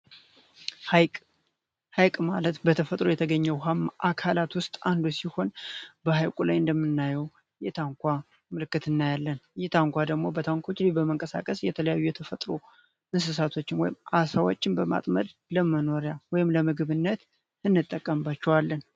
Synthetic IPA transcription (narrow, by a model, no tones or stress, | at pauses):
haj | hajkʼmalət̪bət̪ʰəfət̪ʼɾo̞jɛt̪ʰəɡəɲːəwɦamːʔakʰalat̪wʊst̪ʼand̪usiho̞nbəhajkʼulajɨnd̪əmːɨnːajɛw | jɛt̪ʰaŋkʷʰa | mɨlɨkːɨt̪ɨnːajalːənjɛt̪ʰaŋkʷad̪əɡmo̞bət̪ʰaŋkʰo̞t͡ʃːlibəməŋkʼəsa̰kʼəsjɛt̪ʰələjajːujɛt̪ʰəfət̪ʼɾo̰ | ʔɨns̬ɨs̬at̪ʰo̞t͡ʃːɪnwɔjɪmʔasawot͡ʃːɪnbəma̰t̪ʼməd̪ləməno̞ɾjawɔjɪmləmɨɡɨβɨnːət̪ | ɨnːɨt̪ʼːəkʼːəmbat͡ʃːɛwalːən